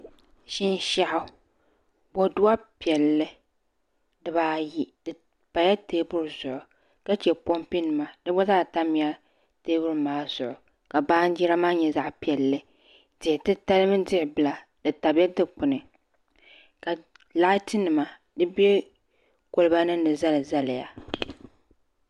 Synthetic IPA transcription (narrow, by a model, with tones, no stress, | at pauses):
ʃɪ˦n˦ʃa˦ʔa˦˨ | bo˨dʊ˦a˦pi˨ɛ˨lːɨ˦ | dɨ˨baː˨ji˨dɨ˨ | pa˨ja˦teː˦bʊ˦ɾzʊ˨ʔʊ˨ | ka˦t͡ʃɛ˨po˦mpi˦nɨ˨ma˨dɨ˦bɔ˦zaː˦˨ta˦mi˨a˦ | teː˦bʊ˦ɾmaː˨˦z̥ʊ˨ʔʊ˨ | ka˨baː˦n˦d͡ʒi˦ɾa˦maː˦ɲɛ˨za˦ʔpi˨ɛ˨lːɨ˦ | dɪ˨ɪ˨tɨ˦ta˦lɨ˦mɨ˦dɪ˦ʔɪ˨bɨ˨la˨ | dɨ˨ta˨bja˦tɨ˦k͡pʊ˨nɨ˨ | ka˨ | la˦tɪ˦nɨ˨ma˨ | dɨ˦bɛ˦ | ko˨lɨ˨˦ba˦nɨ˦nɨ˨za˦lɨ˨za˦lɪ˨ja˨